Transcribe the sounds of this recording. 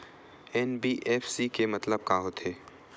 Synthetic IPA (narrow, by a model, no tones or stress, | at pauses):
ɛːnbiːʔɛːfsikemɐt̪ləb̚kaːɦot̪ʰeː